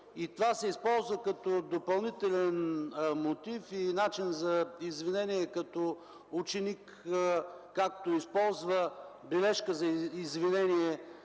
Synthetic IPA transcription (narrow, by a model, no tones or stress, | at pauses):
it̪ovasɛispɔlˠzvəkɐt̪od̪opɐlˠnit̪ɛlɛnmot̪ifinat͡ʃinzɐizvinɛniɛkɐt̪ɔ | ut͡ʃɛnikː | ak̚t̪oispɔlˠzvəbɛlɛʃkəzɐizvinɛniɛ